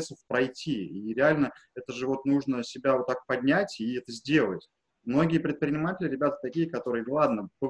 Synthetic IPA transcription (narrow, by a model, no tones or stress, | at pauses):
səfpɾɐjtʲʰːiiɾʲɪalʲnəɛt̪əʐɨvo̞t̪nuʐnəsʲɪbʲavot̪ːak̚pɐdʲnʲætʲiɛt̪əzʲdʲe̞lˠətʲ | mno̞ɡʲɪjəpɾʲɪt̪̚pɾʲɪnʲɪmatʲɪlʲɪɾʲɪbʲat̪ə̥t̪ɐkʲijəkɐt̪o̞ɾɨjənlˠad̪nəbɨ